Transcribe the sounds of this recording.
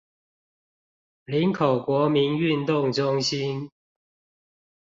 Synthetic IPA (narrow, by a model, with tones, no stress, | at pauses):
li˨˦nkʰo˨˩ʊkwɔ˨˥mi˨˦ny˥˨nt̪ʊ˥˨ŋʈ͡ʂʊ˥˦ŋɕi˦n